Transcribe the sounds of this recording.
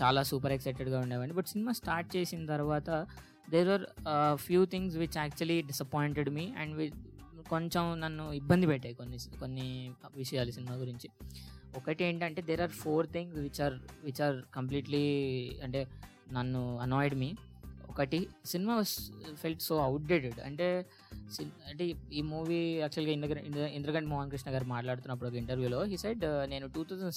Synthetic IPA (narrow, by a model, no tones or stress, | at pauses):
t͡ʃaːlaːsuːpɐɾɛksɐɪʈeɖɡaːuɳɖeːʋɐɳɖibɐʈsinimaːsʈaːɾʈ̚t͡ʃe̞ːsinɐt̪ɐɾʋaːt̪ɐ | d̪eːɾaːɾpʰjuːt̪ʰiŋɡsʋit͡ʃɛːk̚t͡ʃuɐliɖisɐpoiɳʈeɖmiːɛ̰ɳɖʋikoɲt͡ʃemnɐnːuibːɐnd̪ipɛʈːaːjkonːikonːiʋiʂɐjaːlusinimaːɡuɾiɲt͡ʃiɔkɐʈie̞ːɳʈiɐɳʈe̞ːd̪eːɾaːɾpʰoːɾt̪ʰĩŋɡsʋit͡ʃaːɾʋit͡ʃaːɾkɐmp̬liːʈliɐɳʈe̞ː | nɐnːuɐnɔːjɖmiː | ɔkɐʈisinimaːʋɐːzfʰelʈsoːɐwʈ̚ɖeːʈeɖɐ̰ɳʈe̞ː | siɐɳʈeiːmuːʋiːaːk̚t͡ʃuɐlɡaind̪ɐɐind̪ɾɐkɐɳʈimɔːɦɐnkɾiʂnɐɡaːɾmaːʈlaːɽut̪unːɐpːuɽɔkɐiɳʈɐɾʋjuːlo̞ːɦiːseɖne̞ːnuʈuːt̪ʰawsɐ̃ɳ